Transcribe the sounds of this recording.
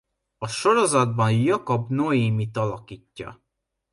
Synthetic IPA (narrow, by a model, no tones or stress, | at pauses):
ɒʃo̞ɾo̞zɒd̪̚bɒnjɒkobnoiːmit̪ɒlɒkiːcːɒ̰